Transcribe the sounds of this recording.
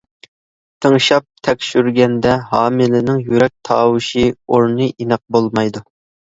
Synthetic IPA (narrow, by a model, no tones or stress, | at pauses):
t̪ʰəŋʃɑp̚t̪ʰɛkʲʃyɾɡʲɛnd̪ɛɦɑːmɪlɪnɪŋjyɾɛk̚ʲt̪ʰɑːwɨʃioɾnɨʔinɨq̚bolˠmɑjd̪u